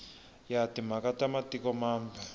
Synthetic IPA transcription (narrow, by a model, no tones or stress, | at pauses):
jatim̤akatamatikɔmaːmba